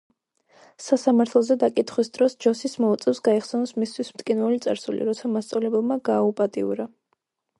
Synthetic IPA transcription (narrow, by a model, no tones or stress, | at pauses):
sasamaɾt̪ʰlˠɔzɛd̪akʼit̪ʰχwisd̪ɾɔsd͡ʒɔsismɔut̪sʼɛfsɡaɛχsɛnɔsmist̪ʰwismt̪ʼkʼinvɛlit̪sʼa̰ɾsulḭɾɔt̪sʰamast̪sʼavlɛbɛlmaɡaːupʼat̪ʼḭṵɾa